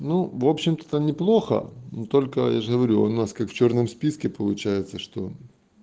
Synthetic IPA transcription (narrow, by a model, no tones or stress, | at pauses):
nuvo̞pɕːɪmt̪ə̥t̪anʲɪplˠo̞xə̰nt̪o̞lʲkə̰jaʐəɦəvɐɾʲuɐ̰naskakft͡ɕo̞rnəmspʲiskʲɪpəlˠʊt͡ɕæjɪt̪səʂt̪o̞̰